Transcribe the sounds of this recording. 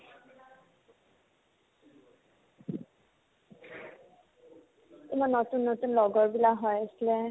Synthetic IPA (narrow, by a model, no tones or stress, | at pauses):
emanːɔtunːotunlɔɡɔɹbilaɦɔjasilɛ